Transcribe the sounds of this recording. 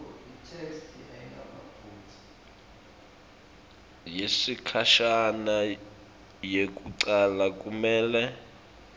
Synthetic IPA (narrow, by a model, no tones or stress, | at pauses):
itʰestʰiʔaiŋɡʱaɓapʰuːtʰi̥ | jesikʰaʃana | jek̬ʼuǀalak̬ʼumɛːlɛ